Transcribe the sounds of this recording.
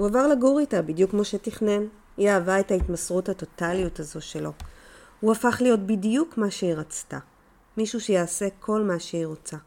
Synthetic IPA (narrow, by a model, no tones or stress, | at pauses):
uavaʁlaɡuʁitabidjukmo̞ʃetiχnen | jaːvaethaitmasʁuthato̞talijutazo̞ʃe̞lo̞ | huafaχlijo̞tbidjukmaʃeiʁat͡sta̰ | miʃuʃejaːse̞kʰo̞lmaʃeiʁot͡sa